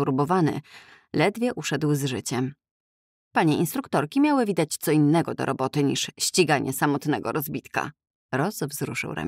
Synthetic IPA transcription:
uɾbɔvanɘ̰ | lɛd̪vʲjɛʔuʂɛd̪wzʐɘt͡ɕɛm | paɲɛʔinst̪ɾukt̪ɔɾkʲimʲjawɘvʲid̪at͡ɕt̪sɔinːɛɡɔd̪ɔ̰ɾɔbɔt̪ɘɲḭʂɕt͡ɕiɡaɲʔɛ̰samɔt̪nɛɡɔ̰ɾʔɔzbʲit̪ka̰ | ɾɔsvzɾuʂɘ̰wɾa̰

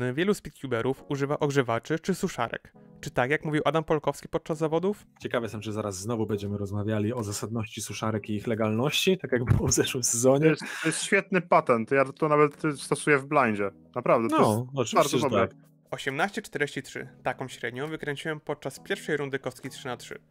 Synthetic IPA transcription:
vʲjɛluspʲit̪kʲjubɛɾʔufuʐɘvaʔɔɡʐɛvat͡ʂɘt͡ʂɘsuʂa̰ɾɛ̰kt͡ʂɘt̪akjakmuvʲiwʔad̪ampɔlkɔfskʲi̥pɔt̪̚t͡ʂazːavɔd̪uf | t͡ɕɛkavɛsɔmt͡ʂɨzaɾazːnɔvubɛɲd͡ʑɛmɘɾɔzmavʲjalʲiɔzasad̪nɔɕt͡ɕisuʂaɾɛkiixlɛɡalnɔɕt͡ɕit̪akjaɡbɘwɔvzɛʂwɘmsɛzɔɲɛɛsɔjɛst̪ɕfʲjɛt̪̚nɘpat̪ɛnt̪jat̪ɔnavɛt̪st̪ɔsujɛvblaɲd͡ʑɛ | napɾavd̪ɛɔɔɨvaɾzt͡ɕ̪ɔɛɔb̪ɛak | ɔɕɛmnaɕt͡ɕɛt͡ʂt̪ɛɾeɕt͡ɕitʂɘ̰t̪akɔ̃w̃ɕɾɛd̪ɲɔ̃w̃vɘkɾɛɲt͡ɕiwɛmpɔt̪̚t͡ʂaspʲjɛɾfʂɛjɾund̪ɘkɔfskʲejt̪ʂɘnatʂɘ̰

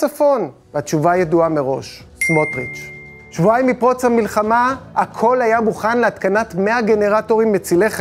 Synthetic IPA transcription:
afo̞n | vatt͡ʃuvajeduameʁo̞̰ʃ | smotʁit͡ʃ | ʃvuaimipʁo̞t͡shamilχamaakʰo̞lajamuχanleat̪kanatmeaɡe̞ne̞ʁato̞ʁimːet͡sileχ

